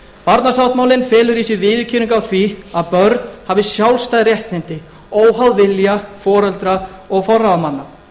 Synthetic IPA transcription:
paɾt̪nasawt̪maːwlɪnfɛːlʏɾiːsɪvɪːðʏcʰiːniŋkawθviaðpœɾt̪nhavɪsjawlst̪ajðɾjɛht̪nɪnt̪ɪ | oːwɦawðvɪljafɔːɾœlt̪ɾa | ɔɣfɔrːaamanːa

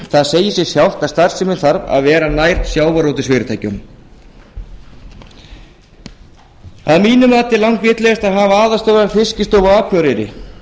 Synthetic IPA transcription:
θaðseːjɪsɛ̥sjawl̥t̪ast̪aɾ̥sɪmɪnθaɾva̰ðvɛːɾanajɾ̥t̪sjaːwvaɾowt̪ɪsvɪːɾɪt̪ʰaːjcʏm | aðmiːnʏmaːt̪ɪlawŋ̥kvɪːt̪lɛɣast̪aðɦaːvaaːðast̪owɾafɪscɪst̪owvʏaːkʰvœɾɪɾɪ̰

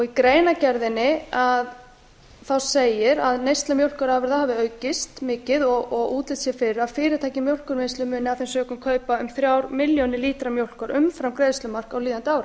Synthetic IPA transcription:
ɔɣikɾeːjnacɛɾðɪnɪað | θawseːjɪɾaðnejst̪lamjowl̥kʏɾaːvɪɾðahaːvɪœːɥcɪst̪mɪːcɪðɔɣɔɣuːt̪lɪt̪sjɛfɪɾafɪːɾɪɾt̪ʰajcɪmjowl̥kʏɾmɪnslʏmʏːnɪafθɛnsœːkʏmkʰœːɥpaʏmθɾjaːwɾmɪljonɪliːt̪ɾamjowl̥kʏɾʔʏmfɾamkɾejðst̪lʏmar̥kawliːðant̪ɪaːwɾa

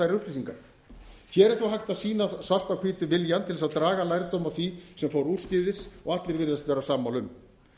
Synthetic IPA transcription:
ajɾɾʏhplisiŋkaɾ | çjɛːɾɛɾθuwɦajht̪asiːnasar̥t̪awkʰviːt̪ʏvɪljant̪ʰɪlsaðt̪ɾaːɣalajɾt̪owmawθvisɛmfoːwɾuːscɪðɪsɔɣat̪lɪɾvɪɾðast̪vɛːɾasamːawlʏm

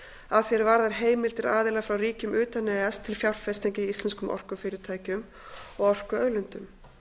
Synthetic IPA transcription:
aðθjɛɾvaɾðaɾ̥ɦeːjmɪlt̪ɪɾaːðɪlafɾawriːcʏmʏːt̪anɛast̪ʰɪlfjawr̥fɛst̪aɲcɪist̪lɛnskʏmʔɔ̰r̥kʏfɪːɾɪɾt̪ʰaːjcʏm | ɔɣɔr̥kʏœɥlʏnt̪ʏm

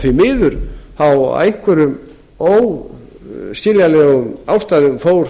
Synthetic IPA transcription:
θvimɪːðʏɾθaw̰eŋkʰvʏɾʏm | ow | scɪljalɛːɣʏmaːwst̪ajðʏmfoːwɾ

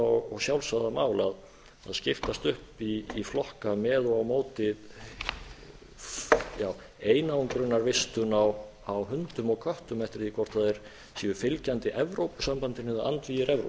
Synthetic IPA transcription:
ɔɣɔsjawlsaðamaːwlað | a̰ðscɪft̪ast̪ʏhpiːflɔhkamɛːðɔɣawmoːwt̪ɪð | jaːw | eːjnauŋkɾʏnːaɾvɪst̪ʏnaw | awɦʏnt̪ʏmɔɣkʰœht̪ʏmɛft̪ɪɾ̥θikʰvɔr̥t̪ʰaðɛɾ̥ | siʏfɪlcant̪ɪʔɛvɾowpʏ̥sampant̪ɪnɪðaant̪viːjɪɾɛvɾo̰

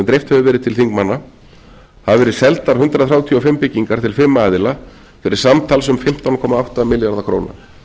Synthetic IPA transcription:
ɛmt̪ɾejft̪hɛvʏvɛːɾɪðt̪ʰɪlθiŋkmanːa | havɛːɾɪ̥sɛlt̪aɾ̥hʏnt̪ɾaðθɾjaːwt̪ʰiɔfɪmːpɪcːiŋkaɾt̪ʰɪlfɪɾmːaːðɪla | fɪɾɪɾ̥samt̪ʰalsʏmfɪm̥t̪awnkʰɔːmaawht̪amɪljaɾðakʰɾo̰ːwna̰

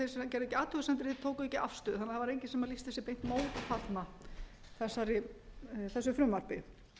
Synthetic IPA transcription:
θeɾsɛcɛɾʏɛcːɪaːt̪ʰʏɣsɛnt̪ɪɾ̥θet̪ʰoːwkʏɛcɪa̰fst̪ʏːðhanːaθavaɾejɲcɪsɛmaðlist̪θɛsɪpejn̥t̪moːwt̪fʰat̪na | θɛsːaɾɪ | θɛsːʏfɾʏmvaɾ̥pɪ

